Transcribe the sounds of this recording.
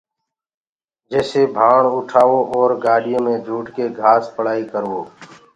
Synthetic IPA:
d͡ʒɛːseːbʱaːɳʊʈʰaːʋoːʔɔːɾɡaːɽɪjõːmẽːd͡ʒʱuːʈkeːɡʱaːspəɽ̤aːiːkəɾʋoː

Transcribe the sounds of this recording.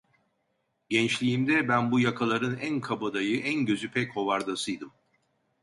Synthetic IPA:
ɟɛnt͡ʃlʲiːmd̪ɛbænbujakʰalˠaɾɯnænkʰabad̪ajɯʔænɟø̞zypʰɛcho̞vaɾd̪asɯjd̪ɯm

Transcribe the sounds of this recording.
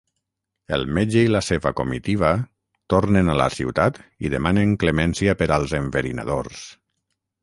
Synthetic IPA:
ḛlˠmed͡ʒeilaseβakomit̪iβ̞a | t̪oɾnenala̰siwt̪at̪iðemaneŋklemɛnsiapeɾalˠzeɱveɾina̰ðo̰rs

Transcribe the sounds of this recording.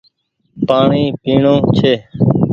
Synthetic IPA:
paːɳiːpiːɳõːt͡ʃʰeː

